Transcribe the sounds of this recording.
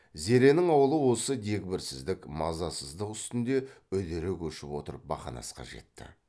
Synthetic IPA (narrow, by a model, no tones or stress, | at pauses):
ze̞ɾe̞nɪŋɑwəlˠəwo̞səd̪e̞kʲbɪɾsɪzd̪ɪkmɑzɑsəzd̪əqʏst̪ɪnd̪e̞ | ɵd̪eɾekʲʰɵʃɪpwo̞t̪əɾəp̚bɑ̰χɑ̰nɑ̰sqɑ̰ʒe̞̰t̪ːɪ̰